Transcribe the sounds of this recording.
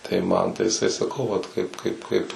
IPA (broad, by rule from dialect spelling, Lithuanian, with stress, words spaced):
tɐɪ ˈmɐn tɐɪ jɪˈsɐɪ sɐˈkɐʊ ˈʋɐt ˈkɐɪp ˈkɐɪp ˈkɐɪp